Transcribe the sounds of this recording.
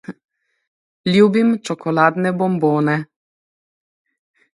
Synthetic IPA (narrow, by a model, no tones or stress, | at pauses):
lʲjuːbimt͡ʃɔkɔlaːd̪nɛbɔmboːnɛ